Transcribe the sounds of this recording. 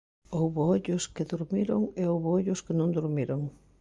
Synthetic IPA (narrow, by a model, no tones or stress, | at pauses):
owβooʎʊskɪðuɾmiɾoŋeowβooʎʊskɪnõŋd̪uɾmiɾoŋ